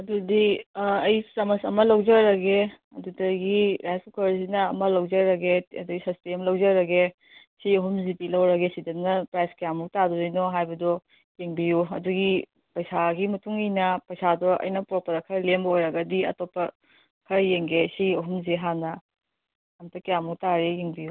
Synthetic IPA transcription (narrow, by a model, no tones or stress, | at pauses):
ɐdudiɐjsɾɐmɐsɐmɐlɐwd͡ʒɐɾɐɡe | ɐdudɐɡiɾajsʰukɐɾsinɐːmɐlɐwd͡ʒɐɾɐɡeɐduɡisɐsteɐmlɐwd͡ʒɐɾɐɡe | siɐɦumzitilɐwɾɐɡesidɐnɐpɾajskijamuk̚taduzijnɔɦajbɐdɔ | jeŋbijuɐ̰duɡi | pɐjsaɡimɐtuŋinɐpɐjsadɔʔɐ̰jnɐpɾopɐɾɐkʰɐɾlembɐojɾɐɡɐdiɐ̰topːɐ | kʰɐɾjeŋɡesiɐɦumzeɦanɐ | ɐmtɐkijamuk̚taɾejeŋbiju